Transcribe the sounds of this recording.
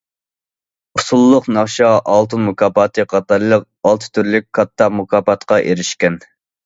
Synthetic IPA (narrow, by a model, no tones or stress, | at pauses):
usulˠːʊqnɑχʃɑʔɑlˠt̪ʰɨnmukʰɑːpɑt̪ʰɨqʰɑt̪ɑɾlˠəq̚ | ɑlˠt̪ʰɨ̥t̪ʰyɾlyk̚ʲkʰːɑt̪ːɑmukʰɑːpɑt̪qʰɑʔeɾɪʃkʲɛn